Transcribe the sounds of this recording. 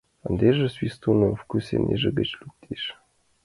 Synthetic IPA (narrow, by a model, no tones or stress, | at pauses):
ə̆nʲd̪ʲeʒɘ̆sʲwist̪unɤfkysʲḛnʲeʒɘ̆ɡɘ̆t͡ɕlʲuk̚t̪ʲʰeʃ